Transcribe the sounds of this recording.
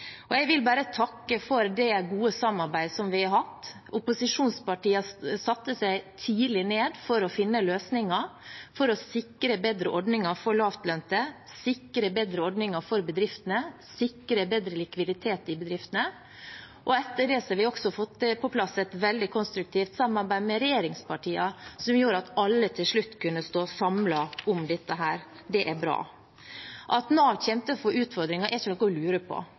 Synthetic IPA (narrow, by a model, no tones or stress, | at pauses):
ʔɔjæɪʋɪlbæːɾət̪ʰɑkːəfɔɾd̪ɛɡuːəsɑmɑɾbæɪd̪sɔmʋɪɑɾɦɑt̪ː | ʊpʊsɪʂuːnspɑʈiːəsɑt̪ːəsæɪt̪ʰiːlɪneːd̪fɔɾɔfɪnːəløːsnɪŋɑfɔɾɔsɪkːɾəbeːd̪ɾəʔɔɖnɪŋɑfɔɭɑːft̪lœnt̪ə | sɪkːɾəbeːd̪ɾəɔɖnɪŋɑɾfɔɾbəd̪ɾɪft̪ənəsɪkːɾəbeːd̪ɾəlɪkʋɪd̪ɪt̪ʰeːt̪ɪbəd̪ɾɪft̪ənə | ʔɔɛt̪ːəɖɛsɔʋɪɔksɔfɔt̪ːəpʰɔpʰlɑsɛt̪ʋɛld̪ɪkʰɔnst̪ɾʉk̚t̪ʰiːft̪sɑmɑɾbæɪmɛɾɛjeːɾɪŋspʰɑʈʰiːɑsɔmjuːɾɑt̪ɑlːət̪ʰɪlʂɭʉt̪ːkʰʉnːəst̪oːsɑmlɑʔɔmd̪ɛt̪ːəɦæːɾ | d̪ɛʔæɾbɾɑ̰ː | ʔɑt̪noʋçɛmt̪əfɔʉːt̪fɔɾd̪ɾɪŋɑʔɛɪçənɔkɔlʉːɾəpʰɔ̰